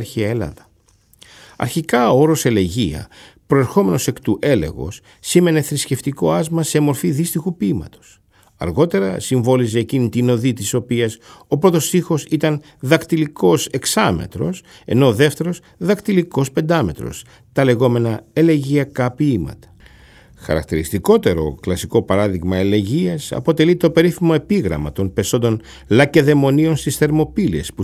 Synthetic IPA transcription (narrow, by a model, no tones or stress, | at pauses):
ɾçiɐelɐ̰ðɐ | ɐ̰ɾçikɐooɾo̞se̞le̞ʝḭɐ̰pɾo̞e̞ɾxo̞me̞no̞se̞kt̪uʔe̞le̞̰ɣo̞̰sː | ime̞ne̞θɾisce̞ft̪iko̞ɐzmɐse̞mo̞ɾfiðist̪ixupiːmɐ̰t̪o̞̥s | ɐ̰ɾɣo̞t̪e̞ɾɐ̰siɱvo̞lize̞ːcinit̪ino̞ðit̪iso̞piɐso̞pɾo̞t̪o̞sixo̞sit̪ɐn | ðɐkt̪iliko̞se̞ksɐme̞̰t̪ɾo̞̰s | e̞̰no̞ðe̞ft̪e̞ɾo̞s | ðɐkt̪iliko̞spe̞nd̪ɐme̞t̪ɾo̞̰s | t̪ɐle̞ɣo̞me̞nɐe̞leʝiɐkɐpiimɐ̰t̪ɐ̥ | xɐ̰ɾɐ̰k̚t̪iɾist̪iko̞t̪e̞ɾo̞̰klɐsiko̞pɐɾɐðiɣmɐele̞ʝiɐsɐ̰po̞t̪e̞lit̪o̞pe̞ɾiθimo̞e̞piɣɾɐ̰mɐ̰t̪o̞npe̞so̞nd̪o̞n | lɐce̞ðe̞mo̞nio̞nst̪isθe̞ɾmo̞pilie̞̰spu